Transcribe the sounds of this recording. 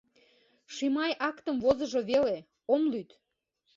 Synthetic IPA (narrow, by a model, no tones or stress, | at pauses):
ʃimɑjʔɑkt̪əmvozə̆ʒoβele | omlyt̪